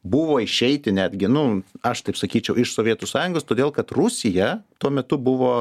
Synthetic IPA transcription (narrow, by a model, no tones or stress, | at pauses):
bʊʋoːɪʃʲɛɪt̪ʲɪnʲæːd̪ʲɡʲɪnʊɐʃt̪ɐɪpsɐkʲiːt͡ʃʲɛʊɪʃsoːʋʲiɛt̪usɑːjʊŋɡoːst̪oːd̪ʲeːlˠkɐt̪rʊsʲɪjɛt̪uɔmʲɛt̪ʊbʊʋoː